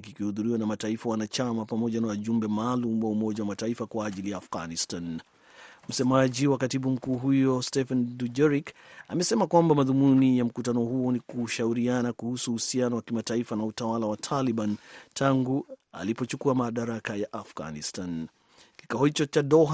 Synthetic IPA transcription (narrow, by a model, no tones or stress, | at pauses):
kikihuðuɾiwanamataifawanat͡ʃamapamɔʄanawaʄumbɛmaːlumwaumɔʄawamataifakwaːʄilijaːfɣanistan | m̩sɛmaʄiwakatiɓum̩kuːɦujɔstɛfandud͡ʒɛɾika̰mɛsɛmakwambamaðumunijam̩kutanɔhuɔnikuʃauɾianakuhusuhusianɔwakimataifanautawalawatʰaliɓantʰaŋɡua̰lipɔt͡ʃukuamaɗaɾakajaʔafɡa̰nistan | ki̥kahɔhit͡ʃɔt͡ʃaɗɔɦ